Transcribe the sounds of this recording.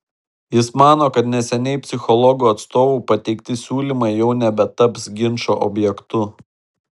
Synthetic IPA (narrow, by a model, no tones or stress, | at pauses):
jɪsmɑːnoːkɐt̪nʲɛsʲɛnʲɛɪpʲsʲɪxɔlˠɔɡuɐt̪st̪oːʋʊpɐt̪ʲɛɪkt̪ʲɪsʲuːlʲimɐɪjɛʊnʲɛbʲɛt̪ɐpsɡʲɪnʃoːʔɔ̰bʲjɛkt̪ʊ